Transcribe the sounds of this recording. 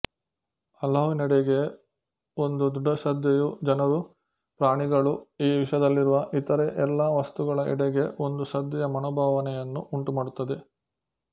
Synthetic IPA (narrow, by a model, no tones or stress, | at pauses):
ɐlɐːʋinɛɽeɡe̞ | o̞nd̪ud̪uɖːɐsɐd̪jɐjud͡ʒɐnɐɾu | pɾaːɳiɡɐɭuiːʋiʂɐd̪ɐlːiɾuʋɐʔit̪ɐɾeʔɛlːaːʋɐst̪uɡɐɭɐʔḭɽɛɡe̞o̞nd̪usɐd̪jɛjɐmɐnɔːbʱaːʋɐnɛjɐnːuʔuɳʈumaːɽut̪ːɐd̪e̞